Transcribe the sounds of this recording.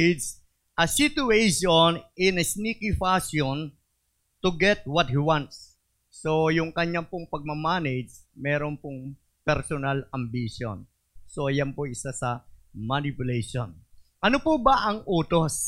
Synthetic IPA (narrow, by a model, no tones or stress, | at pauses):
ds | ʔɐsit̪ʊejʃonɪnɐsnikifasjon | t̪ʊɡɛt̪̚wɐt̪̚hiwant̪sː | ojʊŋkɐɲːapʊŋpɐɡ̚mɐmaːnedd͡ʒmɛːɾonpʊŋ | pɛɾsonalɐmbiʃo̰n | sojanpoʔɪsasɐmanipʊleʃo̰nʔɐnopʊbɐʔɐŋʔuːt̪os